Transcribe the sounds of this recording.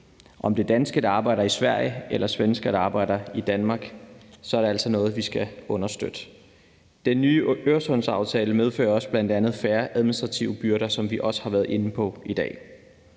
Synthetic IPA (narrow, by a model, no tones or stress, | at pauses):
ʔɒ̽md̥e̝d̥ænsɡ̥əd̥ɑ̈ːb̥ɑ̈ɪɾ̥ɐisʋæɐ̰jəelɐsʋensɡ̥ədɑ̈ːb̥ɑ̈ɪ̰ɾ̥ɐid̥ænmɑ̈ːɡ̥sɒæɐɾ̥eæl̰sɒnɔ̽ːð̩ˠʋisɡ̥æɔ̽nɐsd̥ø̰d̥ə | d̥enːyːøɐsɔ̽nsɑ̈ʊt͡sʰɛːləmeð̞ˠfø̰ːɐɒ̽sb̥lænd̥ænð̞̩ˠfæːɐʔæðˠminisd̥ʁɑ̈t͡sʰiʊəb̥yɐɾɐsɒ̽mʋiʔɒ̽sə̥hɑ̈ʋæːɐð̩ˠe̝nəpʰɒ̽id̥ɛ̰ː